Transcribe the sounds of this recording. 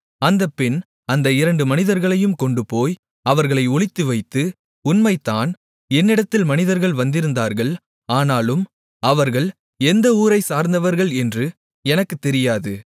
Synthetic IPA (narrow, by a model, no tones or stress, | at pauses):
ɐnd̪ɐpːɪn | ɐnd̪ɐɪɾɐɳɖɯmɐnɪðɐɾɣɐɭɐjɯmkɔɳɖɯpoːj | ɐʋɐɾɣɐɭɐɪɔɭɪt̪ːɯʋɐɪt̪ːɯ | ʊnmɐɪt̪ːaːn | ɛnːɪɽɐt̪ːɪlmɐnɪðɐɾɣɐɭʋɐnd̪ɪɾɯnd̪aːɾɣɐɭ | aːnaːlɯm | ɐʋɐɾɣɐɭ | ɛnd̪ɐuːɾɐɪsaːɾnd̪ɐʋɐɾɣɐɭɛndrɯ | ɛnɐkːɯt̪ːɛɾɪjaːðɯ